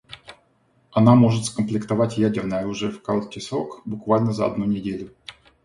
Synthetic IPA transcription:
ɐnamo̞ʐɨt̪skəmplʲɪkt̪avatʲjædʲɪrnəjəɐɾuʐɨjəfkalˠkʲɪsɾokbʊkvalʲnəzəɐ̰d̪nunʲɪdʲelʲʊ

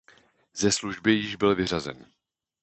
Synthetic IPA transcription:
zɛsluʒbɪjɪʒbɪlvɪr̝azɛ̰n

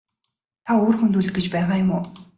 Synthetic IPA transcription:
t̪ʰaoːrxunt̪uːɮ̆ɡet͡ɕpæːʁaːjʊmʊː

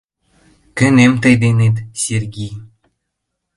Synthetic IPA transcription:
kɘ̆nemt̪ɤ̆jd̪enet̪sʲerɡʲij

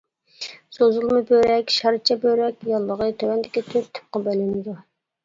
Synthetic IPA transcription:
sozulˠmɨbøɾɛkʲʃɑɾt͡ʃʰɛbøɾɛkʲjɑlˠːəʁət̪ʰøwɛnd̪ɪkʲit̪ʰøɾt̪ʰɪ̥p̚qɑbɛlɪnɪd̪u

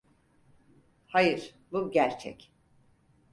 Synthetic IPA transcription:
hajɯɾ̥ | buɟæɾt͡ʃʰɛ̰c

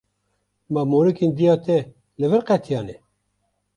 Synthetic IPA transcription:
mamoɾɨkind̪ijɑːt̪ɛ | lɨvɨɾqɛt̪ʰjɑːne

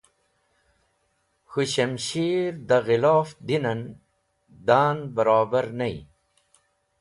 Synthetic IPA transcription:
xuɕɐmɕiɾd̪aɣiloːfd̪inɐn | d̪aːnbəɾaːbəɾnɐḭ

